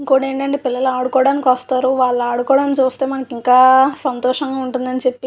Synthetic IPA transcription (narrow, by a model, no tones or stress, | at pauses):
iŋkoːɽe̞ːɳʈɐɳʈeːpilːɐluaːɽukɔːɽaːnikʋɐst̪aːɾuʋaːɭːɐaːɽukɔːɽaːnt͡ʃuːst̪e̞ːmɐnɐkiŋkaːsɐnt̪ɔːʂɐŋɡaːuɳʈund̪ɐnit͡ʃepːi